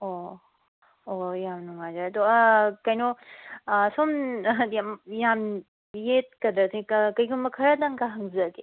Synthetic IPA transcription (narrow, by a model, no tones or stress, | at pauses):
o | ojamnuŋazaɐd̪okɐjno | somjamjam | jet̚kɐdɾɐsʰikkɐjkʰumbɐkʰɐɾɐdaŋkaɦɐŋzɐɡe